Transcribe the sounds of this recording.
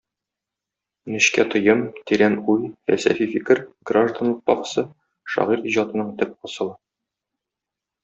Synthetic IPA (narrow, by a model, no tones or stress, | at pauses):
nɵ̆ɕkæt̪ŏjɤmt̪iɾænujfæ̰lsæ̰fifikɘɾɡraʒd̪anlˠɤq̚pɒqɤ̥sɤ | ʃɒ̰ʁiɾiʑɑt̪ɤ̆nɤɴt̪ɘp̚ɒsɤ̆lˠɤ